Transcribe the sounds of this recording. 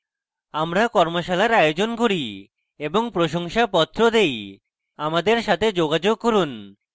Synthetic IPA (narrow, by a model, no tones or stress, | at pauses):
amɾakɔɾmoʃalaɾajod͡ʑonkoɾi | eboŋpɾoʃoŋʃapɔt̪ːɾod̪ej | amad̪eɾʃat̪ʰed͡ʑoɡad͡ʑoɡ̚koɾun